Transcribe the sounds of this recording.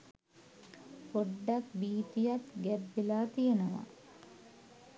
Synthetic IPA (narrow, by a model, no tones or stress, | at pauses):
poɖːakbiːt̪ijat̪ɡɛbːelaːt̪ijenəʋa̰